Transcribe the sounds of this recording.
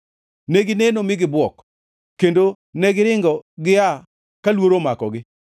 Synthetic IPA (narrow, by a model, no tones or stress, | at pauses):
neɡɪnenomɪɡɪbwɔk | kːendo | nɛɡɪɾɪŋɡɔɡɪa | kalwoɾomakɔɡɪ